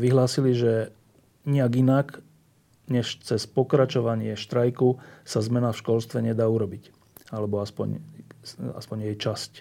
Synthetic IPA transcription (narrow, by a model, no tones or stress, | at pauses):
ʋiɦlaːsiliʒɛ | ɲiaɡinak | ɲɛʃt͡sɛspɔkɾat͡ʃɔʋaɲɪɛʃt̪ɾajkusazmɛnafʃkɔlst̪ʋɛɲɛd̪aːuɾɔbic | alɛbɔaspɔ̰ɲ | a̰spɔɲjɛjt͡ʃasc